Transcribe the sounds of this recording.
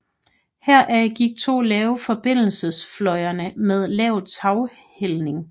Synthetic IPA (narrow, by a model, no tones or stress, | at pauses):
heɐ̰ʔæɡ̥iɡ̥̚t͡sʰo̝̰ːlɛːʊfɒ̽b̥e̝n̰l̩səsflɒ̽ɪɐnəmeð̞ˠlɛːʊt͡sʰɑ̈ʊ | helne̝ŋ